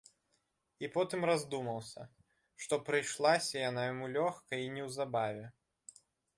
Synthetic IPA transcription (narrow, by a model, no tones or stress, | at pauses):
ipɔt̪ɨmrazd̪umɐwˠsʲɐ̰ | ʂt̪ɔpɾɨjʂlˠasʲɐjanajamulʲɔxkɐinʲɛwzabavʲɛ